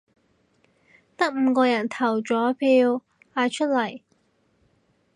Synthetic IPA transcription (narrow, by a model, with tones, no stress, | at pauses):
t̪ɐ˥k̚m̩ː˨˧kɔː˧jɐ˨˩nt̪ʰɐ˨˩wt͡ʃɔː˨˥pʰiː˧w | aː˧jt͡ʃʰɵ˥t̚lɐ˨˩j